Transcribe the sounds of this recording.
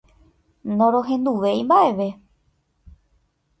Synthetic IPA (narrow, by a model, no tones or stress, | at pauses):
nõɾõɦẽ̞nd̪uʋe̞imbaʔe̞ʋe̞